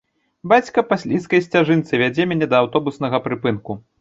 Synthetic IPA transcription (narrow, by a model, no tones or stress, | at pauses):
bat͡sʲkɐpasʲlʲiskɐjsʲt͡sʲaʐɨnt̪sɨvʲad͡zʲɛmʲanʲɛd̪ɐːwt̪ɔbusnɐɣɐpɾɨpɨnku